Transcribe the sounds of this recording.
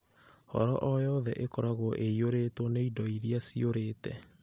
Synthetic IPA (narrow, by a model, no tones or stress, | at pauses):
hɔ̰ɾɔʔɔjɔðɛʔekɔɾaɣoʔeioɾetwɔneidɔiɾiasioɾeːtɛ